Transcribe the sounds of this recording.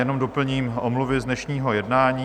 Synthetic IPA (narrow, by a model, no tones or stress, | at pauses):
jɛno̞mdopl̩ɲiːmʔomluvɪznɛʃɲiːɦo̞jɛdnaːɲiː